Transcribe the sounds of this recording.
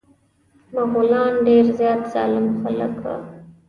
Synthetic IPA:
maɣulɑnɖeɾzjɑt̪z̥ɑ̰lɪmxalə̰kwa̰

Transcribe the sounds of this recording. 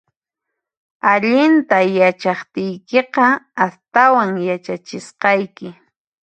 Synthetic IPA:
aʎɪnt̪ajat͡ʃɑχt̪ɪjkeqɑːst̪awaŋjat͡ʃat͡ʃɪsqɑjkɪ

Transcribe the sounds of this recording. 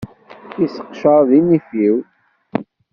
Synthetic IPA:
isə̥qʃəɾˤðimifiw

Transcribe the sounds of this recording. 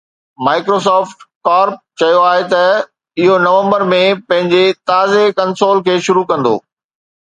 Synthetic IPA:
maːɪkɾos̬ɔːfʈkaːɾp̚t͡ɕɐjoaːɦet̪ɐ | ɪɦonɐʋə̃mbəɾmẽpɐ̃ɦɪ̃ɲd͡ʑet̪aːzekɐnsoːlkʰeːʃʊɾukɐ̃nd̪o̰ː

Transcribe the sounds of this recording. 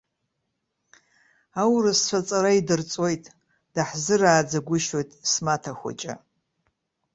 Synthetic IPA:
awrast͡ɕʷʰat͡sʼaɾaidɨrt͡sʼo̞jtʼ | d̥aħzɨraːd͡zaɡʷʊʃo̞jtʼsmatʰaxʷa̰t͡ʃʼa̰

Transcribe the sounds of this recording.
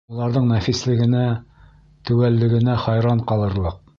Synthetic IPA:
ulˠɑɾðɤɴnæfislɘ̆ɡɘ̆næ | t̪ʉwælːɘ̆ɡɘ̆næχɑjɾɑɴqɑlˠɤ̆ɾlˠɤq̚

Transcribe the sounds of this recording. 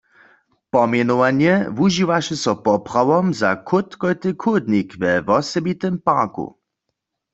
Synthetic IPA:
pɔmjɛnɔwanjɛvuʒiʋaʃɛsɔpɔpʁ̥awɔmza̰kʰʊt̪kɔjt̪ɨkʰʊd̪nikʋɛvɔsɛbit̪ɛmpaːkṵ

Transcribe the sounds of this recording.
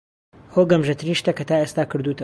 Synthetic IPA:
hoːɡɐmʒɐt̪ɨɾiːʃt̪ɐkɐt̪aːeːst̪aːkɨɾd̪uːt̪ʰɐ

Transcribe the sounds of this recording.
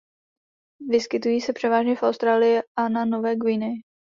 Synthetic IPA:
vɪskɪt̪ujiːsɛpr̥ɛvaːʒɲɛfʔawst̪ɾaːlɪjɪʔanano̞vɛːɡviːnɪ

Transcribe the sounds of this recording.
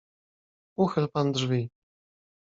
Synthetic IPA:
uxɘlpand̪ʐvʲi

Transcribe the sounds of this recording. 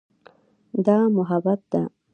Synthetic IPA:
d̪ɑmʊɦabat̪̚d̪a

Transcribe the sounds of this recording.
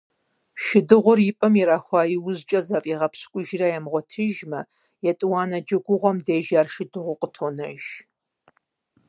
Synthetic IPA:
ʃɪdɨʁʷʊrjɪpʼɐmiɾaːxʷɑːjiwʊzt͡ʃʼɐzɐpʼiːʁɐpʰɕkʷʼʊʒrɐjɛmʁʷɔtʰɨʒmɐ | jɛtʼɨwɑːnɐd͡ʒɐɡʷʊʁʷɔmdeːʒaːrʃɪdɨʁʷʊqətʰoːnɐ̰ʒ

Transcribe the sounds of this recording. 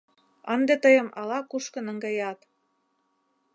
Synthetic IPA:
ənd̪et̪əjə̆mɑlɑkuʃkə̆nə̆ŋɡɑjɑt̪

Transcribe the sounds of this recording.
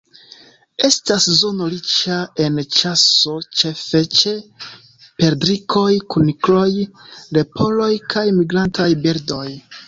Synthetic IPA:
e̞staszo̞no̞ɾit͡ʃae̞nt͡ʃaso̞t͡ʃe̞fe̞t͡ʃe̞ | pe̞ɾdɾikʰo̞jkuniklo̞jle̞pʰo̞lo̞jkʰajmiɡɾantʰajbeɾdo̞j

